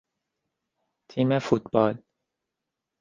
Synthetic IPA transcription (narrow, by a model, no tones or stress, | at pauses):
t̪ʰiːmefut̪bɒːl